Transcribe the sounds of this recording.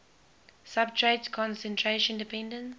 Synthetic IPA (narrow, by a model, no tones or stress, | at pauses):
sabtʰɹedkʰɔ̃nsɛ̃ntʰɹeʃə̃ndipʰɛ̃ndə̃nt